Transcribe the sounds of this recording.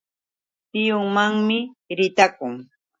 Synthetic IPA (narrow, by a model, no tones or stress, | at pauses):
t̪ɪjʊŋmaŋmɪɾɪt̪akʊŋ